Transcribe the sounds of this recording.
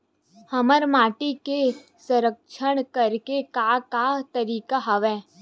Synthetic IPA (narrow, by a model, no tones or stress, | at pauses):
həməɾmaːʈike | sə̃ɾəkʃəɽ̃kəɾkekakat̪əɾiːkaɦəʋɛ̃ː